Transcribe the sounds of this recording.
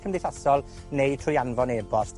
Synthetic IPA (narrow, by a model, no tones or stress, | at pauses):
kʰəmdɪθasɔlˠ | nejd̚tʰrʊjanvɔneːbɔst